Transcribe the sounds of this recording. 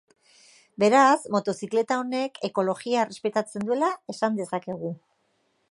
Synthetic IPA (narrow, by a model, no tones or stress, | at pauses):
be̞ɾazmo̞t̪o̞sikle̞t̪ao̞ne̞kʰe̞ko̞lo̞ɣiaere̞spe̞t̪at͡se̞nd̪uelaesand̪e̞sake̞ɣ̞u